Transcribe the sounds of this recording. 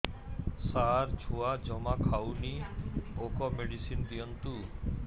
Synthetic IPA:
saɾd͡ʑʱʰuad͡ʑɔmakʰawniokɔmeɖisind̪iɔnt̪u

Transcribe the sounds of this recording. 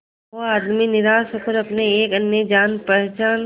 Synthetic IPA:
oaːd̪minɪɾaːsokəɾɐpneeːkɐnjed͡ʒaːnpɛɦɛt͡ʃaːn

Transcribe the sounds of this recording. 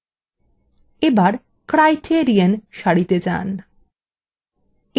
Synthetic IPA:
ebaɾ | kɾajʈʰieɾianʃaɽit̪ed͡ʑa̰n

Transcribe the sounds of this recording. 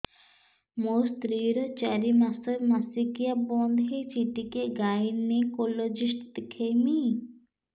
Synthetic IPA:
most̪ɾiːɾɔt͡ʃaɾimasəmasikijabɔnd̪ɦit͡ʃiʈikeɡajnekolod͡ʒisʈt̪ikʰejmi

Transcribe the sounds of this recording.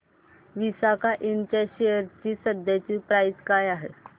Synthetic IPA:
ʋisakaʔint͡ɕaɕejəɾt͡ɕiːsəd̪jat͡ɕiːpɾajskajaɦḛ

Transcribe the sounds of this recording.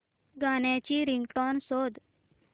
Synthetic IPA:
ɡanjãt͡ɕiɾiŋɡʈɔnsod̪

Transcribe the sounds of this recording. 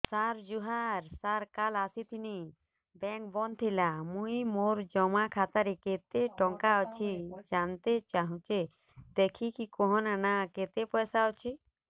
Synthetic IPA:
saɾd͡ʒuɦaɾsaɾkalasit̪ʰini | bɛŋk̚bɔnt̪ʰilamũjmoɾd͡ʒɔmakʰat̪aɾeket̪eʈɔŋkaɔt͡ʃʰid͡ʒant̪et͡ʃaɦũt͡ʃe | d̪ekʰikikɔɦɔnanaket̪epɔjsaɔt͡ʃʰi

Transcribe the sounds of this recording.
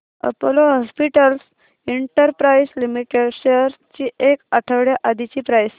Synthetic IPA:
ə̰poloɦɔspiʈəls | iɳʈəɾpɾajslimiʈeɕəɾt͡ɕiːʔekaʈʰəʋɽjaʔad̪ʱit͡ɕiːpɾajs

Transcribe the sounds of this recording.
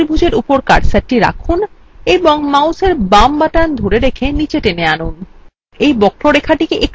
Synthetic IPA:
ɾbʱud͡ʑeɾupoɾkaɽsaʈiɾa̰kʰun | ebɔŋmawseɾbambaʈand̪ʱoɾeɾekʰenit͡ɕeʈeneanun | ejbɔkʰɾoɾekʰaʈikeʔek

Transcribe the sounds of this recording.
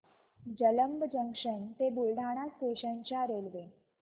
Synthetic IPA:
d͡ʑələmbd͡ʑəŋkʂəɳt̪ebulɖʱaɽ̃ast̪eɕənt͡ɕjaɾelʋe

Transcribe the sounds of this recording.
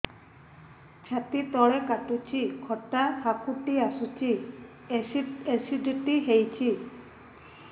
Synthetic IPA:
t͡ɕʰat̪it̪ɔɽekaʈut͡ɕʰikʰɔʈːahakʰuʈiasut͡ɕʰi | esiɖiʈiɦejt͡ɕʰi

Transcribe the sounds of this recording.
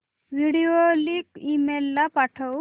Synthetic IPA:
ʋiɽioliːkimelːapaʈʰə

